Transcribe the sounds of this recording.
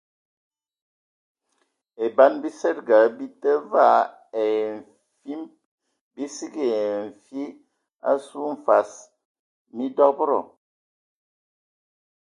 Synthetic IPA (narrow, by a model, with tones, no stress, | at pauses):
e˨ba˦nbi˦sɛ˦t̚ɡa˨˦bi˦tə˦va˦˨ | e˨ɱ̩˨ | fi˦m | bi˦si˦ɡi˨e˨ɱ̩˨fi˦ | a̰˦su˦ɱ̩˨fa˨s | mi˦dɔ˦bɾɔ̰˨